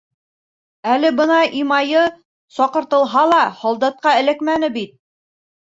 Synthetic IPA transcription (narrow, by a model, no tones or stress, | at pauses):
ælɘbɤnɑʔimɑjɤ | sɒqɤ̆ɾt̪ɤ̆lˠɦɑlˠɑhɒlˠd̪ɑt̪̚qɑɘ̆lɘkmænɘbit̪̚